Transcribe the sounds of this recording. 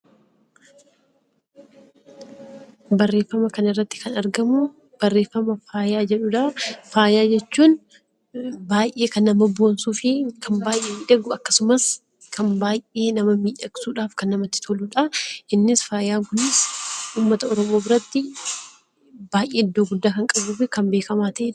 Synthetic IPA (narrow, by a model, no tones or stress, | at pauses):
bɐrːe̞ːfːɐmɐkɐnɪrːɐt̪ːɪ̥kɐnɐɾɡɐmʊ | b̥ɐrːe̞ːfːɐmɐfaːjaːd͡ʒɛᶑʊᶑɐfaːjaːd͡ʒɛt͡ʃːuːn | baːjʔe̞ːkɐnːɐmɐbo̞ːnsuːfɪkʰɐmbaːjʔeːmiːᶑɐɡʊɐkːɐ̥sʊmɐs | kʰɐmbaːjʔʔe̞ːnɐmɐmiːᶑɐɡsuːᶑaːfkɐnːɐmɐt̪ːɪ̥t̪ʰoluːᶑɐʔɪnːɪsfaːjaːŋkʊnɪsʔuːmːɐt̪ɐɔɾɔmoːbɪɾɐt̪ːɪ | b̥aːjʔe̞ːɪd̪ːoːɡʊd̪ːaːkɐŋkʼɐbuːfɪkɐmbe̞ːkɐmaːt̪ɐʔeᶑ